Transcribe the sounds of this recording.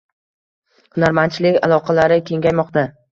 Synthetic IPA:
hʊnaɾmant͡ʃʰɪlɪkʲalˠɒqʰɑlaɾɪkʲʰe̞ŋɡʲajmɒqt̪a

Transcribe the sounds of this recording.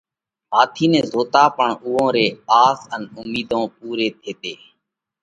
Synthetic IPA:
ɦaːt̪ʰiːnẽːzoːt̪aːpəɳʊːõːɾeːaːsənʊmiːd̪ʱõːpuːɾeːt̪ʰeːt̪eː

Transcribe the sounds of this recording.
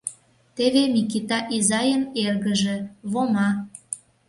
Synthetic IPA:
t̪eβemikit̪ɑʔizɑjənerɣəʒĕβomɑ

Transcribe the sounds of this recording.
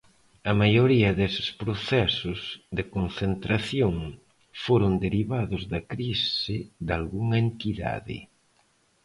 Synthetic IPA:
ɐmajoɾiɐðesɪ̥spɾoθɛsʊzðɪkonθent̪ɾaθjoŋ | foɾʊnd̪eɾiβaðʊzðɐkɾisɪðalɣuŋɐent̪iða̰ðɪ̰

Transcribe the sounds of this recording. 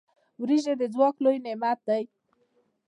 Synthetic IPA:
wɾiʒed̪ed͡zwaklojnemat̪̚ːəj

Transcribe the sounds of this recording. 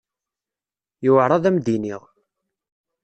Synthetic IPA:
jʊʕɾˤɑðæmd̪iniʁ

